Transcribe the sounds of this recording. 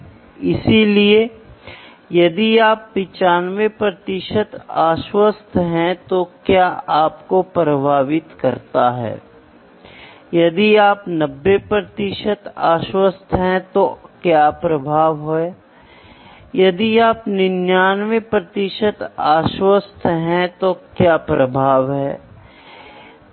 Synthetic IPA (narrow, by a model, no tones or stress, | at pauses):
ɪsilie | jɐd̪iaːpːɪ̃t͡ʃaːnʋepɾɐt̪ɪʃət̪aːʃwəst̪ʰɦɛ̃t̪okjaːaːpkopɾəbʱaːʋɪt̪kɐɾt̪aɦɛ̰ː | jɐd̪iaːpnɐbːepɾɐt̪ɪʃət̪aːʃwəst̪ʰɦɛ̃t̪okjaːpɾɐbʱaːʋɦoe | jɐd̪iaːpnɪnjaːnʋepɾɐt̪ɪʃət̪aːʃwəst̪ʰɦɛ̃t̪okjaːpɾɐbʱaːʋɦɛː